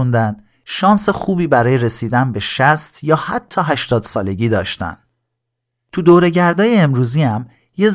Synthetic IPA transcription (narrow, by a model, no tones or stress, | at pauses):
und̪ænd̪̥ | ʃɒːnsexuːbiːbæɾɒːje̞ɾe̞siːd̪ænbe̞ʃæst̪jɒːhæt̪ʰːɒːɦæʃt̪ɒːd̪̥sɒːle̞ɟiːd̪ɒːʃt̪æ̰nd | t̪ʰud̪oːɾe̞ɟæɾd̪ɒːjeːmɾuːziæm | je̞z